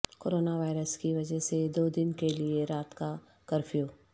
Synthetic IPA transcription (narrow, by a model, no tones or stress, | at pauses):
koːɾoːnaʋaːɪɾəskiʋɐd͡ʒɛɦsed̪oːd̪ɪnkelieɾaːt̪ka | kɐɾfʰjoː